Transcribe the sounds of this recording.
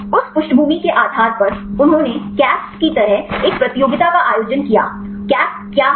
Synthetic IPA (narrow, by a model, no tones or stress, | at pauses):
ʊspʊʃʈbʱuːmikeʔaːd̪ʱaːɾpɐɾʊnɦõːnekɛːsʈkit̪ɐɾəɦeːk̚pɾɐt̪ɪjoːɡɪt̪akaʔaːjoːd͡ʒənkija̰ː | kjaː | kjaː